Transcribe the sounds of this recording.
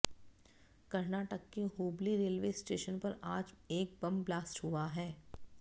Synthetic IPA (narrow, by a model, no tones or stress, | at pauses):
kɐɾnaːʈəkːeɦoːbliɾeːlʋeːsʈeːʃənpɐɾaːd͡ʒeːk̚bɐ̃mblaːsʈɦuaɦɛː